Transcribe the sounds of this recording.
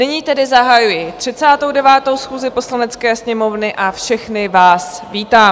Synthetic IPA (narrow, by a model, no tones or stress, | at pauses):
nɪɲiːt̪ɛdɪzaɦajujɪt̪r̝̥ɪt͡saːt̪owdɛvaːt̪owsxuːzɪpo̞slanɛt͡skɛːsɲɛmo̞vnɪʔafʃɛxnɪvaːsviːt̪aː